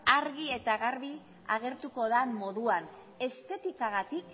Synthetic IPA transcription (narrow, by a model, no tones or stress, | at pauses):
aɾɣie̞t̪aɣaɾβi | a̰ɣ̞e̞ɾt̪uko̞ðammo̞ðuan | e̞st̪e̞t̪ikaɣat̪ik